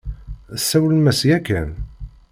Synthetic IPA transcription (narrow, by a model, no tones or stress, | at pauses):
sːæwləmæsjækːæn